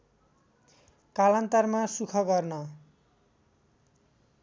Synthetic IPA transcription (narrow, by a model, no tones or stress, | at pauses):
kalant̪armasukʰʌɡʌrnʌ